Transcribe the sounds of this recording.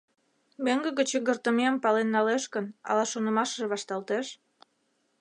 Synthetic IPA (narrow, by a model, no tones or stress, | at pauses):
meŋɡəɣət͡ɕəɣərt̪əmeɑmpɑlenːɑleʃkənɑ̰lɑʃonə̆mɑʃəʒβɑʃt̪ɑlt̪eʃ